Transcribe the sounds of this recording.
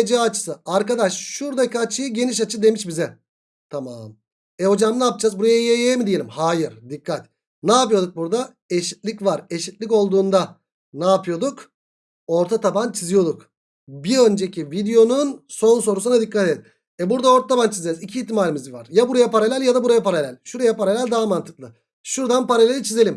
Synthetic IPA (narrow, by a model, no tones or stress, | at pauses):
d͡ʒaːt͡ʃʰɯ̥sɯaɾkad̪aʃʃuɾd̪akat͡ʃːɯjɯɟe̞niʃat͡ʃʰɯd̪e̞miʃbizɛ | t̪ʰama̰m | ɛho̞d͡ʒamnaːp̚d͡ʒaːzbuɾajajejemid̪ije̞lʲimhaːjiɾd̪ikʰːat̪ | naːpɯjo̞d̪uk̚buɾd̪a | e̞ʃit̪lʲicvaɾe̞ʃit̪lʲico̞lˠd̪uːnd̪a | naːpʰɯjo̞d̪uk | o̞ɾt̪ʰat̪ʰapant͡ʃʰizijo̞d̪uk | biø̞nd͡ʒecʰivid̪ejo̞nunso̞nso̞ɾus̬unad̪ikːat̪eet̪ | ɛbuɾd̪ao̞ɾt̪ʰat̪ʰapant͡ʃʰizezicʰiːt̪ːimaːlʲimizbivaɾ̥jabuɾajapaɾalʲælʲjad̪abuɾajapaɾalʲælʲʃuɾajapʰaɾalʲælʲd̪aːamant̪ʰɯ̥klˠɯ | ʃuɾd̪anpaɾalʲeɾit͡ʃʰize̞lʲim